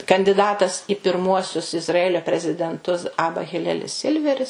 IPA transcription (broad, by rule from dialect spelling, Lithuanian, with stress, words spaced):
kɐnʲdʲɪˈdɑːtɐs ɪ pʲɪrˈmuɔsʲʊs ɪzrɐˈæːlʲoː pʲrʲɛzʲɪdʲɛnˈtʊs ˈɑːbɐ ɣʲɪˈlʲæːlʲɪs ˈsʲɪlʲʋʲɛrʲɪs